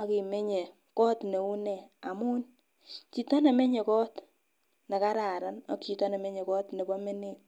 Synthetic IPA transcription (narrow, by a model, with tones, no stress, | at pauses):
a˨ki˨me˦ɲe˨ | kɔ˦tne˨u˦nɛ˨a˨muː˦n | t͡ʃi˦tɔ˦ne˨me˦ɲe˨kɔ˦t | ne˨ka˦ɾa˨ɾa˦nɔ˦kt͡ʃi˨tɔ˦ne˨me˦ɲe˨kɔː˦tne˨bɔ˦me˦ne˦t̚